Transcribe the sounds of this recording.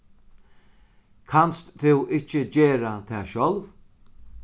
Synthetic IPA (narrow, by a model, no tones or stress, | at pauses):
kʰanst̪t̪ʰɪwʔɪt͡ʃɪd͡ʑeːɾat̪ʰɛːʃɔlv